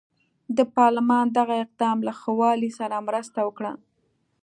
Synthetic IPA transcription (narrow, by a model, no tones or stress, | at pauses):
d̪əpɑɾlɪmɑnd̪aɣaɪq̚d̪ɑmlaxəwɑlisaɾamɾəst̪awəkɽa̰